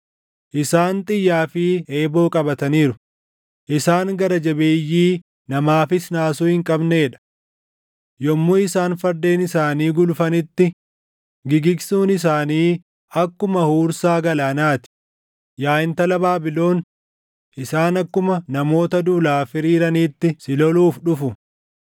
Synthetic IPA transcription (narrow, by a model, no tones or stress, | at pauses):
ʔɪsaːnt̪ʼɪjːaːfɪe̞ːbo̞ːkʼɐbɐt̪ɐniːɾʊ | ʔɪsaːŋɡɐɾɐd͡ʒɐbeːjːiː | nɐmaːfɪsnaːsuːhɪŋkʼɐbneːᶑɐ̥ | jɔmːuːɪsaːnfɐɾd̪e̞ːnɪsaːniːɡʊlʊfɐnɪt̪ːɪ | ɡɪɡɪɡsuːnɪs̬aːniː | ɐkːʊmɐhuːɾsaːɡɐlaːnaːt̪ɪ̥ | jaːʔɪnt̪ɐlɐbaːbɪlo̞ːn | ʔɪsaːnɐkːʊmɐnɐmo̞ːt̪ɐd̪uːlaːfɪɾiːɾɐniːt̪ːɪsɪlɔluːfᶑʊfʊ